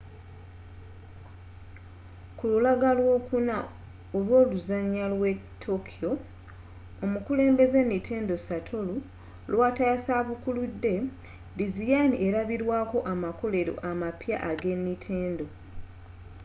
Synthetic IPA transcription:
kululaɡalwo̞ːkuna | olwo̞ːluzaɲːalwe̞ | tʰːo̞kʰijo̞ | omukule̞ːmbe̞ze̞nːitʰe̞ːndo̞satʰo̞lu | lwataasaβukuludːe̞ | dizijanie̞ɾaβiɾwaːko̞ʔamako̞le̞ɾo̞̰ʔamapja̰ʔaɡe̞nːitʰe̞ːndo̞

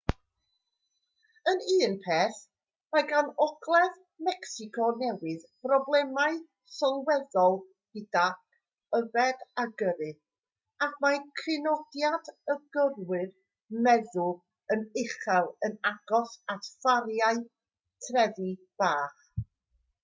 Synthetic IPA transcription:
əniːnpʰeːθ | maɡanɔɡlˠɛð | mɛksɪkʰɔnɛwɪðb̥rɔblˠɛmaɨ | sɔlˠwɛðɔlˠ | hidak | əvɛdaɡəɾɨ | akʰmakʰrɪnɔdjadəɡərwɨr | mɛðʊ | ənɪχɛlˠənaɡ̥ɔsatfaɾjaɨ | tʰrɛði | b̥aːχ

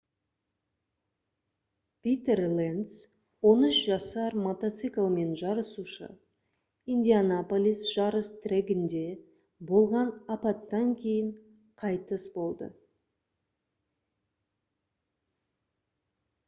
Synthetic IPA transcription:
pʲit̪erlˠens | wo̞nʏʃʒɑsɑɾmot̪ot̪sɨklˠme̞nʒɑɾəsuʃə̰ | ind̪ʲianapolʲisʒ̥ɑɾəst̪ʰɾʲeɡʲɪnd̪e̞ | bo̞lˠʁɑnɑpɑt̪ːɑŋkʲʰe̞jɪɴ | qʰɑjt̪əsbo̞lˠd̪ə̰

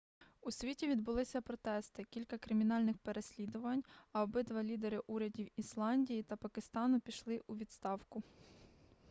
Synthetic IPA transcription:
usʲʋʲitʲiʋʲid̪bʊlˠɪsʲɐpɾɔt̪ɛst̪ɪkʲilʲkɐkɾɪmʲinɑlʲnɪxpe̞ɾe̞sʲlʲid̪ʊʋɐnʲɐɔbɪd̪ʋɐlʲid̪eɾɪʔuɾʲɐdʲiwislˠɑnʲdʲijit̪ɐpɐkɪst̪ɑnʊpʲiʃlˠɪʔuʋʲid̪st̪ɑwkʊ

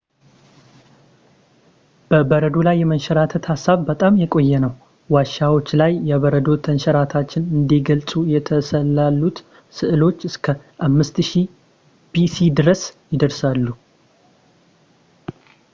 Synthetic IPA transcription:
b̥əbəɾəd̪o̞lajːɛmənʃɛɾat̪ʰət̪hasːaβbət̪ʼamjɛkʼo̞jːɛnəw | waʃawo̞t͡ʃːlajːɛβəɾəd̪o̞t̪ʰənʃɛɾat̪ʰat͡ʃːɪnɨnd̪eɡəlsʼujɛt̪ʰəsəlːalːut̪ | sɨʔɨlo̞t͡ʃːɨskʰə | ʔamːɨst̪ʃi | bisid̪ɨɾəsjɪd̪əɾsalːu

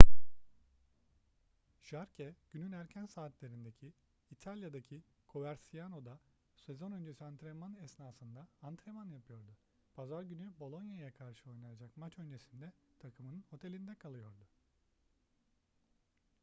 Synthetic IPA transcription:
ʒ̥aɾcʰɛɟ̥ynynæɾcʰænsaːt̪lʲe̞ɾind̪ecʰiː | t̪ʰalʲjad̪acʰi | kʰo̞væɾsijano̞d̪a | se̞zo̞nø̞nd͡ʒesiant̪ɾemanɛsnaːsɯnd̪aːnt̪ɾemanjapʰɯjo̞ɾd̪ʊ | pʰazaɾɟynybo̞lˠo̞njajakʰaɾʃɯo̞jnajad͡ʒakmat͡ʃø̞nd͡ʒe̞sind̪ɛt̪ʰakʰɯmɯnɯnho̞t̪ʰe̞lʲind̪ɛkʰalˠɯjo̞ɾd̪ʊ

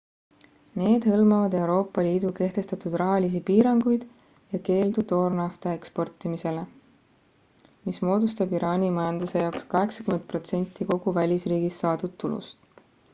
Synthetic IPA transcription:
ne̞ːd̪̥hɤlmɑvɑd̪e̞uɾo̞ːpːˑɑliːd̪uke̞ht̪e̞st̪ɑt̪ud̪̥rɑɦɑlʲis̬ipiːɾɑŋɡ̥ujd̪̥ | jɑke̞ːld̪ud̪o̞ːrnɑft̪ɑe̞kspo̞rt̪ːˑimise̞le | mismo̞ːd̪ust̪ɑbiɾɑːnʲimɑjɑnd̪use̞jɑokskɑɦe̞ksɑ̥kymen̚pro̞t̪se̞nʲt̪ːˑiko̞ɡ̥uvælʲisriːɡ̥isːɑːd̪ud̪̥t̪ːulṵst̪

